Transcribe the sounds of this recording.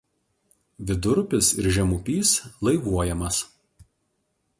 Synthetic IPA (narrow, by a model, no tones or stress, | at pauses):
ʋʲɪd̪ʊɾpʲɪsɪɾʒʲɛmʊpʲiːslˠɐɪʋuɔjɛmɐs